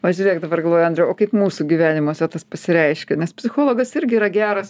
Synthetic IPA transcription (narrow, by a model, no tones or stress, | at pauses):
ʋɐʒʲuːɾʲeɛkd̪ɐbɐrɡɐlˠʋoːjɐnʲd̪ʲɾʲɛoːkɐɪpmuːsuɡʲiʋʲæːnʲɪmoɔsʲɛt̪ɐspɐsʲɪɾʲɛɪʃʲkʲɛnʲɛspʲsʲɪxoːlˠoːɡɐsɪɾʲɡʲɪiɾɐɡʲæːɾɐs